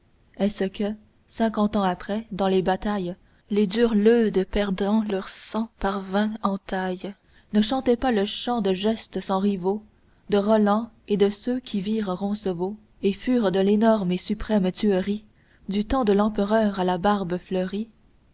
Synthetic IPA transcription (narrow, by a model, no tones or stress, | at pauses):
ɛsəkʰə | sɛ̃kɑ̃t̪ɑ̃apχɛd̪ɑ̃lebat̪aj | led̪yːʁlød̪pɛʁd̪ɑ̃lœʁsɑ̃paʁvɛ̃ɑ̃t̪aj | nəʃɑ̃t̪ɛpaləʃɑ̃d̪əʒɛst̪əsɑ̃ʁivo | d̪əʁɔlɑ̃ | ed̪əsøkʲʰiviːʁʁɔ̃səvo | efyːʁd̪əlenɔʁmesypχɛmt̪yəʁi | d̪yt̪ɑ̃d̪əlɑ̃pəʁœʁalabaʁbəflœʁi